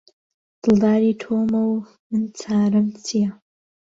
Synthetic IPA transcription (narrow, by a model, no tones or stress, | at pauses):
d̥ɨldaːɾitʰoːmɐw | mɨnt͡sʰaːɾɨmt͡sʰija